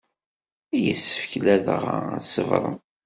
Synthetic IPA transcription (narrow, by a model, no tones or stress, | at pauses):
ijə̰sːə̥fçlæðə̰ʁ̰səvɾˤə̰m